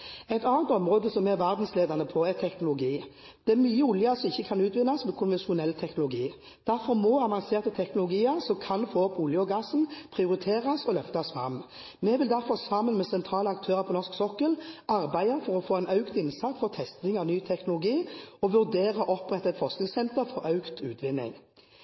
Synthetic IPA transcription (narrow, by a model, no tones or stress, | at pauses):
ɛɪt̪ɑːnət̪ɔmʁoːd̪əsɔmːɛʋæʁd̪n̩sleːd̪ɑʁnəpʰɔɛt̪ʰɛknʊlʊɡiː | d̪̥ɛæmyːəʊljɑsɔmɪçːəkʰɑnʉːt̪ʋɪnːɑsmɛkʰʊnʋɛnʃʊnɛlːt̪ʰɛknʊlʊɡiː | d̪̥æʁfɔʁmoːɑʋɑnseːʁt̪ət̪ʰɛknʊlʊɡiːəʁsɔmkʰɑnfoːɔpːʊljəɔɡɑsn̩pʰʁɪʊɾɪt̪ʰeːʁɑsɔlœft̪ɑsfɾɑ̰mː | mɛʋɪld̪æɾfɔsɑmːənmɛsɛnt̪ʰʁɑːləɑk̚t̪ʰøːʁəʁpʰɔnɔʁsksɔkːəlɑʁbæɪəfɔɾɔfoːæɪnœʉkt̪ɪnsɑt̪fɔt̪ʰɛst̪nɪŋɑʋnyːt̪ʰɛknʊlʊɡiːɔʋʉʁd̪eːʁɑʔɔpʁɛt̪ːɛt̪fɔʁsknɪŋsɛnt̪əɾfɔɾɑʉkt̪ʰʉːt̪ʰʋɪnːɪ̰ŋ